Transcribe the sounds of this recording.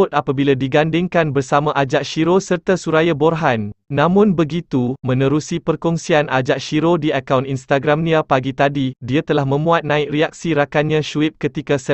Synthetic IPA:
ʊt̪̚apabiladiɡandɪŋkanbərsamãʔad͡ʒaʔʃiɾosərt̪asuɾajabɔrɦanːãmʊ̃nbəɡit̪umə̃nə̃ɾusipərkɔŋsianad͡ʒaʔʃiɾodiakawninst̪aɡɾamnĩapaɡit̪adidiat̪əlahmə̃mũat̪̚nãɪk̚riak̚siɾakanɲãʃuɪp̚kət̪ikasə

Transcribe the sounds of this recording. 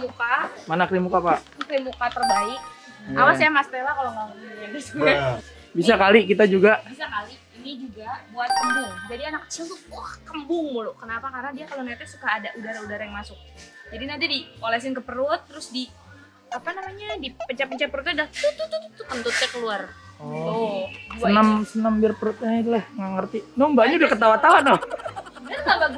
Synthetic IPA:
mukamanaklimukapa | kimukat̪ərbaɪk̚ | awasajamast̪elakaloŋaəmuɾabisuɲa | bisakalikit̪ad͡ʒuɡabisakali | inid͡ʒuɡabuat̪̚kəmbʊŋd͡ʒadianak̚ːə̥t͡ʃilt̪uahkəmbʊŋbuloʔkənapakarənadiakalonat̪asukaːdaʔudaɾaudaɾajaŋmasʊk̚d͡ʒadinant̪̬idipolɛs̬ɪnkəpəɾʊt̪ːəɾʊsdi | apanamaɲadipət͡ʃapət͡ʃapəɾʊt̪adat̪ut̪ʊt̪ut̪t̪ːuk̪ənt̪ʊt̪̚akəluarɔobunamsənəmbɪrpəɾʊt̪̚ɲait̪lahŋaŋərt̪inɔmbaɲaudahkət̪awat̪awanɔ | danɡaɡa

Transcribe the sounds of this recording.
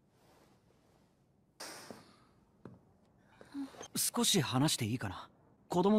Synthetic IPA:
sɨ̥ko̞ɕihanaɕi̥t̪e̞iːkana | ko̞d̪o̞mo

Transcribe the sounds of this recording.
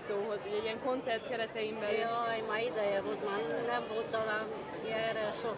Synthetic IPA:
t̪oːɦozuɟɛiɛŋko̞nt̪sɛrt̪̚kɛɾɛt̪ɛjimbɛjɔjmaːid̪ɛjɛvolt̪maːnɛmvolt̪ːɔlaːno | ɛɾɛʃo

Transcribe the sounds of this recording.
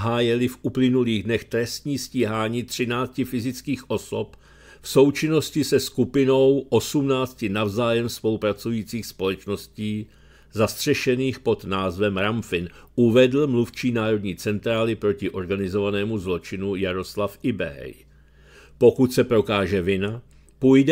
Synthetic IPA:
ɦaːjɛlɪfʔuplɪnuliːɣdnɛxt̪ɾɛst̪ɲiːsciːɦaːɲiːt̪r̝̥ɪnaːt͡scɪfɪzɪt͡skiːxʔo̞so̞p | fso̞wt͡ʃɪno̞scɪsɛskupɪno̞wʔo̞sumnaːt͡scɪnavzaːjɛmspo̞lupɾat͡sujiːt͡siːxspo̞lɛt͡ʃno̞sciː | zast̪r̝̥ɛʃɛniːxpo̞d̪naːzvɛmɾamfɪnʔuvɛdl̩mluft͡ʃiːnaːɾo̞dɲiːt͡sɛnt̪ɾaːlɪpɾo̞cɪʔo̞ɾɡanɪzo̞vanɛːmuzlo̞t͡ʃɪnujaɾo̞slafʔɪbɛ̰ɦɛ̰j | po̞kut̪sɛpɾo̞kaːʒɛvɪna | pujdɛ

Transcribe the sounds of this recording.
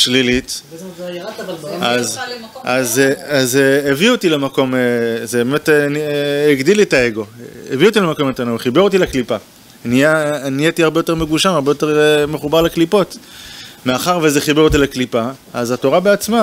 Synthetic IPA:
ʃlilit̪ | azazazeːvio̞t̪ilemako̞mezebemeteneɡd̪iletaeɡo̞ḛviot̪ilemako̞met̪anoveχibeʁot̪̬ileklipa | nijanijet̪iaʁbejo̞t̪e̞ʁme̞ɡuʃamaʁbejot̪eʁme̞χubaʁleklipo̞t | meaχaʁvezeχibeʁot̪̬ileklipa | azato̞ʁabeat͡sma

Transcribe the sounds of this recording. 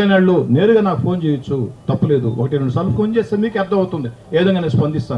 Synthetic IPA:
inɐɭːune̞ːɾuɡaːnaːku̥pʰo̞ːnt͡ʃeːjɐt͡ʃːut̪ɐpːule̞ːd̪ṵɔ̰kɐʈinɐɭːusɐlupʰoːnt͡ʃeːst̪eːmiːkɛɾd̪ːɐ̃mɐwt̪und̪i | eːd̪ɐŋɡaːnespɐnd̪ist̪aː

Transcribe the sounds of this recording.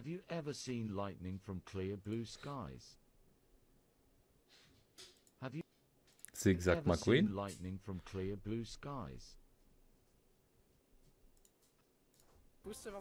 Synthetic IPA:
əvjəʔɛvəsĩːnlaɪʔnɪ̃ŋfɹə̃mkʰl̥ɪəblʉːskaɪz̥ | həvjə | siɪɡzaɛvəmaswiĩnlaɪʔnɪ̃ŋfɹə̃mkʰl̥ɪəblʉːskaɪz̥

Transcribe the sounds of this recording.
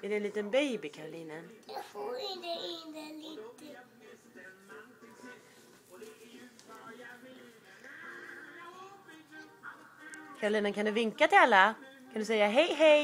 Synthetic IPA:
ɛd̪ɛɛnliːt̪ənbeːbɪkʰaɾʊliːnənjɑfoːɾɪnd̪eɪd̪ɛliːt̪ə | kʰaɾʊliːnənkʰand̪ɵvɪŋkat̪ʰɪalːakʰand̪ɵsɛjːaɦɛjɦɛj

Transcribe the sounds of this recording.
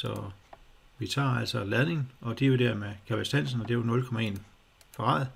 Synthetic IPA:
sɒ̽ | ʋit͡sʰɑ̰̈ːæl̰sɒlæð̞ˠne̝ŋn̩ʔɒ̽d̥eod̥æɐmekʰæb̥esd̥æn̰sn̩ɒd̥e̝onɔ̽lkʰɒ̽mæe̝̰ːn | fʰɒɑ̰̈ːð̩ˠ

